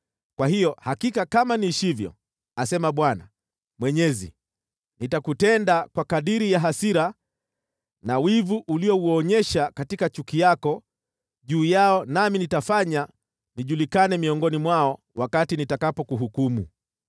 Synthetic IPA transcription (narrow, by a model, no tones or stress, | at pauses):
kwahijɔhakikakamaniʃivjɔ̰ | asɛmaɓwana̰ | mwɛɲɛzḭ | nitakutɛndakwakaɗiɾijaɦasiɾa | nawivuʔuliɔuɔɲɛʃakatikat͡ʃukijakɔ | ʄuːjaɔnaminitafaɲa | niʄulikanɛmiɔŋɡɔnimwaɔ | wakatinitakapɔkuɦukumṵ